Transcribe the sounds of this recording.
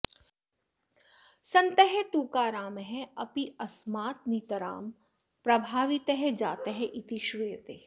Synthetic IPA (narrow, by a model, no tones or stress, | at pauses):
sɐ̃nt̪əɦɛt̪uːkaːɾaːmɦɛ̃ɐpiɐsmaːt̪̚niːt̪əɾa̰ːm | pɾɐbʱaːʋit̪əɦɛd͡ʒaːt̪eɦɛ̃ʔɪt̪iʃʋijət̪eː